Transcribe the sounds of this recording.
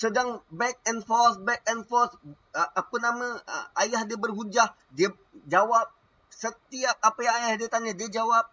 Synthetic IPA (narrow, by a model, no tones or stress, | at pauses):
sədaŋbɛk̚ɛnfɔsbɛk̚ɛnfɔs | akunamãajahdiəbərɦud͡ʒah | diə | d͡ʒawap̚ | sət̪iap̚apajaŋajahdiət̪aɲadiəd͡ʒawap̚